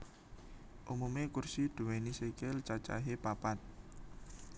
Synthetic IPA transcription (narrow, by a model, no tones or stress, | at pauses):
ʔumumekursid̪̥ṳwenisekɪlt͡ʃat͡ʃa̰ɦepapat̪̚